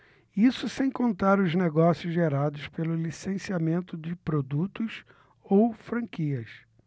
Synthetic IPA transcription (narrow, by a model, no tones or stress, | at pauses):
isʊsẽj̃kõnt̪aɾʊzneɡɔsjʊzʒeɾad̪ʊspelʊlisẽsiamẽnt̪ʊd͡ʒɪpɾod̪ut̪ʊs | owfɾɐ̃kiɐs